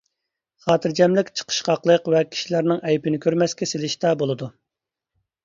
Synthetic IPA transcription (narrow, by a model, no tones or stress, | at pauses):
χɑːt̪ʰɨɾd͡ʒɛmlɪkʲt͡ʃʰə̥qʰə̥ʃqɑqlˠəqvɛkʲʰi̥ʃilæɾnɪŋɛjpɪnɪkʲʰøɾmɛskʲɛselɪʃt̪ɑbolˠɨd̪u